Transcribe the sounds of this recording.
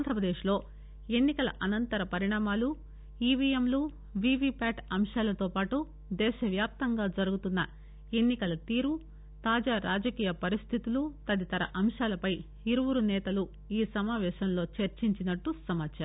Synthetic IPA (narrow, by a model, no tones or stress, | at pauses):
and̪ʱɾɐpɾɐd̪eːʃlo̞ː | e̞nːikɐlɐ̰ʔɐnɐnt̪ɐɾɐpɐɾiɳaːmaːlu | iːʋiːemluː | ʋiːʋiːpaːʈɐmʂaːlɐt̪o̞ːpaːʈu | d̪ɛːʃɐʋjaːp̚t̪ɐŋɡaːd͡ʒɐɾuɡut̪unːɐ | e̞nːikɐlɐt̪iːɾu | t̪aːd͡ʒaːɾaːd͡ʒɐkiːjɐpɐɾist̪ʰit̪ulut̪ɐd̪it̪ɐɾɐʔɐmʂaːlɐpɐj | iɾuʋuɾunɛːt̪ɐlu | iːsɐmaːʋɛːʃɐmlo̞ːt͡ʃɐɾt͡ʃiɲt͡ʃinɐʈːusɐmaːt͡ʃaːɾ